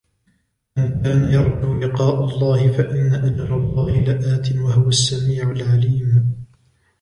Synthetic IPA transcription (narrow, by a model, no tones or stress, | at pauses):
ʔɪnkaːnajɑɾˤduːlɪqɑːʔalˤːɑːhɪfaʔɪnːaʔad͡ʒɾˤɑlˤːɑːhɪlaʔaːt̪ɪnwahʊwasːamiːʕalʕaliːm